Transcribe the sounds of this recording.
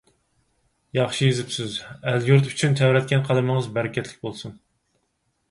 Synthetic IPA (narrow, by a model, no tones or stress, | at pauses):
jɑχʃijizɪpsɪzæljuɾt̪yt͡ʃʰynt̪ʰɛwɾɛt̪̚kʲɛnqʰɑlˠɨmɨŋəzbɛɾɪkʲʰɛt̪ʰlɪk̚ʲbolˠsun